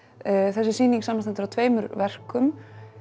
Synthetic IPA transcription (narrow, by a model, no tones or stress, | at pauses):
θɛsɪsiːniŋksamanst̪ant̪ɪɾawt̪ʰveːjmʏɾvɛr̥kʏm